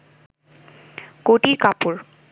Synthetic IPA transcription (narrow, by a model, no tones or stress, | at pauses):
koʈiɾkapuɾ